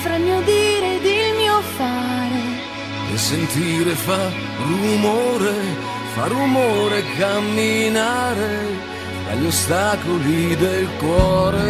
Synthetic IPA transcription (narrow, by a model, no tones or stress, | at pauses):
fɾamiod̪iːɾed̪ilmiofaɾe | ḛsent̪iːɾefa | rumoːɾe | faɾumoːɾekːamːinaːɾe | fɾa̰ʎost̪akolid̪elkwɔːɾe